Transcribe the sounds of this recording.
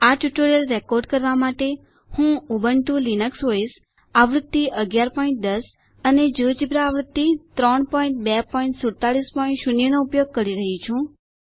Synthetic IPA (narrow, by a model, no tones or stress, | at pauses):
aʈjuʈoɾijəlːekoɾɖkəɾʋamaʈe | hũubəɳʈũlinəksois | aʋɾət̪ːiʔəɡjaɾpɔĩɳʈ̚d̪əs | əned͡ʒud͡ʒibɾaːʋɾəd̪ːit̪ɾɔɳpɔĩɳʈ̚bɛpɔiɳʈsuɾt̪aɭispɔĩɳʈʃunjənoupjoɡ̚kəɾiɾəɦit͡ʃʰũ